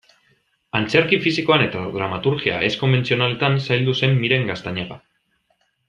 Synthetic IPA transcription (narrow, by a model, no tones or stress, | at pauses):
ant͡se̞ɾkifisiko̞ane̞t̪aðɾamat̪uɾɣia̰ʔe̞sko̞mbe̞nt͡sio̞nale̞t̪ansajld̪use̞mːiɾe̞ŋɡast̪aɲaɣa̰